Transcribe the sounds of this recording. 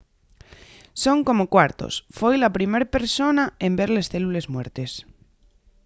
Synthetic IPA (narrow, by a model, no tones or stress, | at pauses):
so̞ŋko̞mokwaɾt̪o̰sfo̞jlapɾime̞ɾpe̞ɾso̞naẽmbe̞ɾlesθelule̞zmweɾt̪es